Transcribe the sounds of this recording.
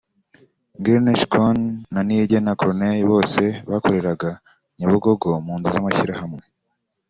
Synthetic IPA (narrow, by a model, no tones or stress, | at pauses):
ɡeɾneʃkonːaniɟenakoɾnejiβo̞ːse̞βako̞ɾe̞ɾaɡa | ɲaβuɡo̞ɡo̞muːnzuzamaçiɾahamŋe